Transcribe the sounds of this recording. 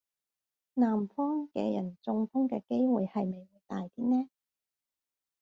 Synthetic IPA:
naː˨˩mfɔː˥ŋkɛ̰ː˧jɐ˨˩nt͡sʊ˧ŋfʊ˥ŋkɛ̰ː˧ke˥jwṵː˨jhɐ˨jme˨˩jwuː˨˧jt̪aː˨jt̪iː˥nɛː˥

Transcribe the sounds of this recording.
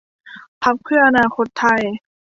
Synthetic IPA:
pʰa˦˥p̚pʰɯ˥˩ʔa˧naː˧kʰo˧˦˥t̪ʰːa˧˩j

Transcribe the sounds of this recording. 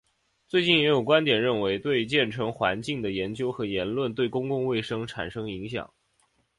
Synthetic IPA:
t͡swe˥˧ɪt͡ɕi˥˩njɛ˧˥jo˨˩ʊkwa˥nt̪jɛ˨˩nɻə˥˩nwe˧˥ɪt̪we˥˧ɪt͡ɕjɛ˥˩nʈ͡ʂʰɤ˧˥ŋxwa˧˥nt͡ɕi˥˩ŋd̪ə˩jɛ˧˥nt͡ɕjo˥ʊxɤ˧˥jɛ˧˥nlwə˥˩nt̪we˥˩ɪkʊ˥ŋkʊ˥˧ŋwe˥˩ɪʂɤ˥ŋʈ͡ʂʰa̰˨˩nʂɤ˥ŋi˧˥ŋɕjɑ̰˨˩˦ŋ

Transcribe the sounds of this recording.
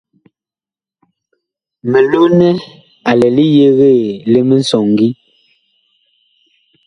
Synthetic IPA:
mɛ˨lo˦nɛ˦ | a˨lɛ˨li˦je˦ɣe˦˨le˦me˦n˦sɔ˨ŋ˨ɡi˦

